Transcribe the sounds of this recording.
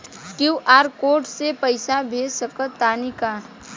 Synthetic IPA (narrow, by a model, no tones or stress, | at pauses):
kjuːʔaːɾkoːɾʈsepəɪsabʱeːsəkət̪aːnika